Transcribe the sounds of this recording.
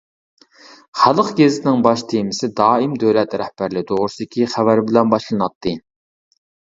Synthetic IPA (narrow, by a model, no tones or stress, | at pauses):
χælˠəqɡʲezɪt̪ʰɪnɪŋbɑʃt̪ʰemɪsɪd̪ɑːimd̪øwlɛt̪ɾɛhbæɾlɪd̪oʁɾʊsɨd̪ɪkʲʰiχævæɾbɪlɛnbɑʃlˠɨnɑt̪ʰːɨ